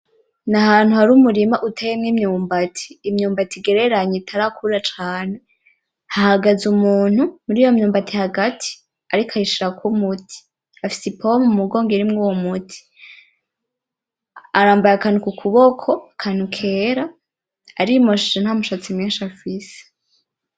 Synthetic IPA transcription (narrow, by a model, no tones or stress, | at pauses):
naɦaːn̥huhaɾumuɾimaʔutʰejemŋimɲuːmbatʰi̥ːmɲuːmbatʰiɡe̞ɾe̞ɾaɲetʰaɾakʰuɾat͡ʃaːne | hahaɡazumuːn̥humuɾiːjo̞mɲuːmbatihaɡatʰi̥ | aɾikʰaiʃiɾakumutʰi̥ | afi̥sipʰomumuɡo̞ːŋɡeɾimŋowomutʰi̥ | aɾaːmbajakaːnukukʰuβokʰo̞akʰaːn̥ukʰe̞ːɾa | aɾimoʃit͡ʃen̥hamuʃat͡simiːnʃafise̥